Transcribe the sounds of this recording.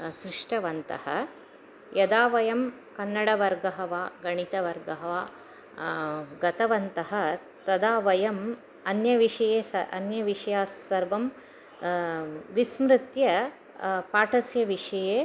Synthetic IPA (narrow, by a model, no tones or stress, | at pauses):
sɾiʂʈɐʋɐnt̪ɐ̰hɐ̰ | jɐd̪aːʋɐjɐm | kɐnːɐɽɐʋɐɾɡɐɦɐʋaːɡɐɳit̪ɐʋɐɾɡɐɦɐʋaː | ɡɐt̪ɐʋɐnt̪ɐɦɐ̆ | t̪ɐd̪aːʋɐjɐm | ɐnjɐʋiʂɐjeːsɐɐ̰njɐʋiʂɐjaːsːɐɾʋɐm | ʋismɾɪt̪jɐ | paːʈʰɐsjɐʋiʂɐjeː